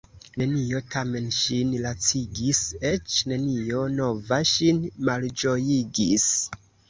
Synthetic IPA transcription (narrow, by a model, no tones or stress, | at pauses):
ne̞nio̞tʰame̞nʃinlat͡siɡise̞t͡ʃne̞nio̞no̞vaʃinmald͡ʒo̞jiɡis